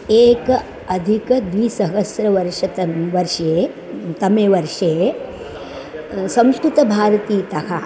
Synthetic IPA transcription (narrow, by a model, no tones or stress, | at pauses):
eːk | ɐd̪ʱikɐd̪ʋiːsɐɦɐsɾɐʋɐɾʂɐt̪ɐʋɐɾʂeː | t̪ɐmeːʋɐɾʂeː | sɐ̃mskɾut̪ɐbʱaːɾɐt̪iːt̪ɐɦa